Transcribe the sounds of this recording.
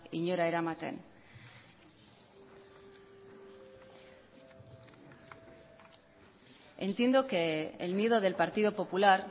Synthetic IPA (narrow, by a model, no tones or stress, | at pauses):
iɲoɾaeɾamat̪ḛn | e̞nt̪je̞nd̪o̞kḛːlmje̞ðo̞ðe̞lpaɾt̪iðo̞po̞pulaɾ